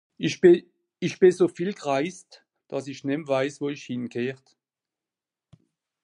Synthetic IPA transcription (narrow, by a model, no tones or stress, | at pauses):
içb̥ɪsoːfiːlɡʁaɪst | d̥ɑs̬ɪçnɛmvaɪsvoːiçhɪnkʰeːʁt